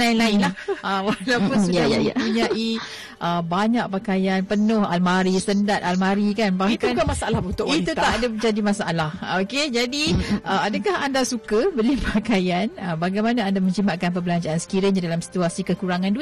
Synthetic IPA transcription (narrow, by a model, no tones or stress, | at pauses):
aɪnlaɪnlahʔəwalawpʊnsuajaimuɲaʔi | ʔəbaɲãʔ̚pakajanpənʊha̰lmaɾisəndat̪almaɾikanbahkankamasaalahunt̪ʊʔit̪ut̪aʔadabəd͡ʒadimasaʔalahoked͡ʒadiʔəadəkahandasukəbəlipʰakajanəbaɡajmanaːndamə̃ɲt͡ʃimaʔkanp̬əbəlaɲd͡ʒaːnsə̥kiɾəɲadalamsi̥t̪uasikəkuɾaŋãndu